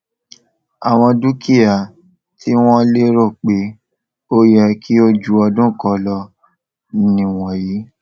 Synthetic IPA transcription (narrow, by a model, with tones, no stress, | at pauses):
a˨w̃ɔ̃˧du˦ki˦a˨ | tʰi˦w̃ɔ̃˦le˦ɾo˦˨k͡pe˨˦ | o˦jɛ˧kʰi˦o˦d͡ʒu˦ɔ˧dũ˦˨kɔ˨˧˦lɔ˧˦ | nĩ˨w̃ɔ̃˨ji˨˦